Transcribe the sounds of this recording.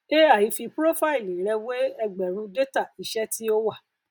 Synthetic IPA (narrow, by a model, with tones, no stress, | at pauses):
e˦a˦˨ji˨˦fi˧pɾo˦fa˦i˨li˨ɾɛ˧we˦ɛ˧ɡ͡bɛ˨ɾ̃ũ˧˦de˦ta˦˨i˨ʃɛ˦ti˦o˦wa˦˨